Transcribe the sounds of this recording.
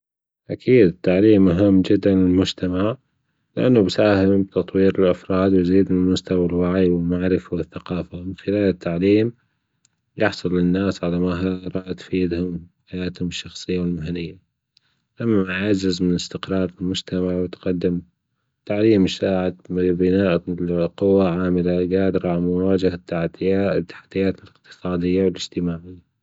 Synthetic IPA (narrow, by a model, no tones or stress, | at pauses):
ʔakʰiːd̪ɪt̪ːaʕliːmʔaɦɪmːd͡ʒɪd̪ːanlɪlmʊd͡ʒt̪amaʕ | lɪʔa̰nːubsaːhɪmbt̪ɑt̪ˤwiːɾɪlʔafɾˤɑːd̪wɪjziːd̪ɪlmʊst̪awalwaʕjwɪlmaʕɾɪfawɪθːaqɑːfamɪnxɪlaːlɪt̪ʰːaʕliːm | jɪħsˤʊlːɪnːaːsʕalamaɦaɾˤɑːʔt̪fiːd̪hʊmħajaːt̪hʊmɪʃːɑxsˤɨjːawɪlmaɦalːɪjːa | lamːaʕad͡ʒɪzmɪnɪst̪ɪqɾˤɑːɾˤɪlmʊd͡ʒt̪amaʕwɪt̪qɑd̪ːɪm | t̪aʕliːmʃaːʕat̪bɪnaːʔqʊwːaʕaːmɪlaɡaːd̪ɾˤɑʕmʊwaːd͡ʒahat̪ːaħd̪ɪjaːʔt̪ːḁħḁt̪ːɪjːaːt̪ɪlɪqt̪ɨ̥sˤɑːd̪ɪjːawɪlɪd͡ʒ̥t̪ɪmaːʕɪjːa